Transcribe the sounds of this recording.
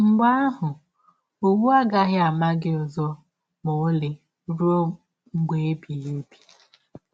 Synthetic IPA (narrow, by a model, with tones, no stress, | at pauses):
ŋ͡m̩˨ɡ͡ba˦ɦʊ˨ | o˦˨wu˦a˦ɡa˦ɣɪ˦a˨ma˦ɡɪ˦ʊ˨zɔ˦ | mo˨˦lɪ˨ | ɾu˦o˦ | ŋ͡m̩˦ɡ͡be˦e˦bi˨e˦bi̥˨